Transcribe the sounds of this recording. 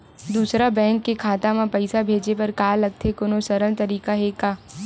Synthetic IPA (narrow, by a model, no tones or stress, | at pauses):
d̪uːsɾabɛ̃ːŋkːekʰaːt̪amãpɐɪsabʱeːd͡ʒepɐɾkaːlɐɡ̚t̪ʰekʊnosɐɾəlt̪ɐɾiːkaɦekaː